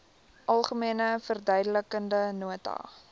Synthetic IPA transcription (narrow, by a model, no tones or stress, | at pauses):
ʔɐlˠχəmiənəfərdœɥdələkəndənuətɑ̰